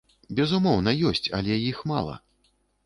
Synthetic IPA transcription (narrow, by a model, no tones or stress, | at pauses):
bʲɛzumɔwnɐjɔsʲt͡sʲɐ̰lʲɛjixma̰lˠɐ̰